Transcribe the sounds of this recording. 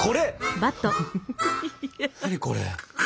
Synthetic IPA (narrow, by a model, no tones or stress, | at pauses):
kʰoɾebat̪ːo | aɲʲiko̰ɾḛ